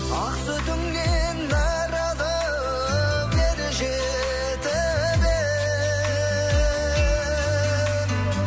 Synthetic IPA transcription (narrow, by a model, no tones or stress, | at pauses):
ɑqsət̪ʏŋɡend̪ɑɾɑd̪ə | beɾɪʒe | t̪ɪ | beɾ